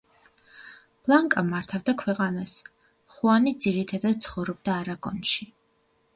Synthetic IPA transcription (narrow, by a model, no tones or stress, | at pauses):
b̥lˠaŋkʼamaɾt̪ʰavd̪akʰwɛqʼanas | χuanid̪z̥iɾit̪ʰad̪ad̪̥̚t̪sʰχɔvɾɔb̚d̪aːɾaɡʼɔnʃi